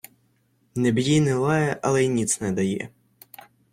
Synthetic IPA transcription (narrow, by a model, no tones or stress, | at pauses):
nɛbjijnɪlˠɑjɛʔɐlˠɛjnʲit̪snɛd̪ɐjɛ̰